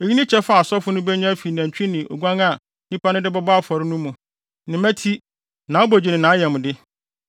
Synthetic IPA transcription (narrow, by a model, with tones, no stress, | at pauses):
e˨ji˦nɪ̃˦t͡ɕʰɛ˦fa˦˨sɔ˦fʊ˦nʊ̃˦bɛ˦ɲã˦fi˨næ̃˨ɲ˨t͡ɕᶣnɪ̃˨ʔo̰˨ɡʷã˦ŋa˦˨ | nĩ˦pʰa˦nʊ̃˦dɪ˦bɔ˦bfɔ˨ɾɪ˦nũ˦mũ˨ | nɪ̃˨mæ̃˦tʰi˦ | nã˨o˦bo˨d͡ʑi˨nɪ̃˨nã˨˦jɛ˨mʊ̃˨dɪ˦